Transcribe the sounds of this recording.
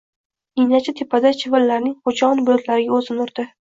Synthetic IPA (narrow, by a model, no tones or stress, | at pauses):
ijnat͡ʃʰat̪ʰepʰad̪at͡ʃʰɪvɪlːaɾnɪŋqot͡ʃʰɒnbʊlʊt̪ʰlaɾɪɡʲaɵzɪnʊɾd̪̥ɪ